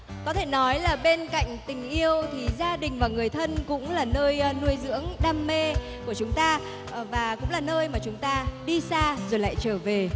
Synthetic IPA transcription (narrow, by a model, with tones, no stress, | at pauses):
kɔ˨˦t̪ʰe˧˩nɔ˨˦jlaː˨˩ɓe˧nka̰˧˨jŋ̟t̪ï˨˩ŋ̟ʔi˧əwt̪ʰi˨˩zaː˧ɗï˨˩ŋ̟vaː˨˩ŋɨ˨˩əjt̪ʰə˧nkʊ̰˧˥ŋ͡mlaː˨˩nəː˧jnu˧əjzɨ̰˧˥əŋɗaː˧mːe˧ | ku˧˩ət͡ɕʊ˨˦ŋ͡mt̪aː˧ | vaː˨˩kʊ̰˧˥ŋ͡mlaː˨˩nəː˧jmaː˨˩t͡ɕʊ˨˦ŋ͡mt̪aː˧ɗi˧saː˧zo˨˩jla̰ː˧˨jt͡ɕəː˧˩ve˨˩